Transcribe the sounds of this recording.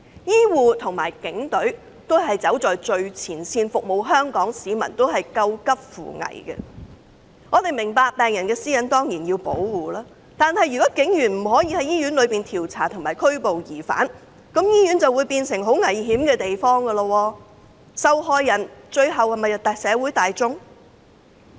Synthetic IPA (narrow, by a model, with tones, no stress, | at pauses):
jiː˥wuː˨˧t̪ʰʊ˨˩ŋmaː˨˩jkɪ˨˥ŋt̪ɵ˨˥ɥ | t̪o˥wɦɐ˨jt͡sɐ˨˥wt͡sɔː˨jt͡ʃɵ˨˧ɥt͡sʰiː˨˩nsiː˧nfʊ˨k̚mo˨˩wɦœː˥ŋkɔː˨˥ŋsiː˨˥mɐ̰˨˩nt̪o˥wɦɐ˨jkɐ˧wkɐ˥p̚fṵː˨ŋɐ̰˨˩jɡɛ̰˧ | ŋɔː˨˧t̪e˨jmɪ˨˩ŋpaː˧k̚pɛː˨ŋjɐ˨˩nkɛː˧siː˥jɐ˨˧˥nt̪ɔː˥ŋjiː˨˩njiː˧wpo̰˨˥wwuː˨laː˥ | t̪aː˨nhɐ˨jy˨˩kɔː˨˦˥kɪ˨˥ŋjyː˨˩nm̩˨˩ɦɔː˨˥jiː˧hɐ˨˥jiː˥jyː˨˥nlɵ˨˧ɥpiː˨nt̪ʰiː˨˩wt͡sʰaː˨˩t̪ʰʊ˨ŋmaː˨jkʰɵ˥ɥpo˨wjiː˨˩fa̰ː˨˥n | kɐ˨˥mjiː˥jyː˨˥nt͡sɐ˨wuː˨˧jpiː˧nsɪ˨˩ŋɦo˨˥wŋɐ˨˩jɦiː˨˥mkɛː˧t̪e˨jfɔː˥ŋɡə˧lə˧wɔː˧ | sɐ˨˧wɦɔː˧jːɐ˨˩nt͡ʃɵ˧ɥɦɐ˨whɐ˨jmɐ˨jɐ˨˩t̪ɐ˨ksɛː˨˧wu˨˥jt̪aː˨jt͡sʊ˥ŋ